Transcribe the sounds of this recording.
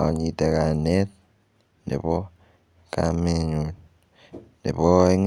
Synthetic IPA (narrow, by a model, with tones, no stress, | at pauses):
ɲi˨te˨ka˨ne˦ | nḛ˨βo˦ | ka̰meɲu | nḭ˨βo˦i˦ŋ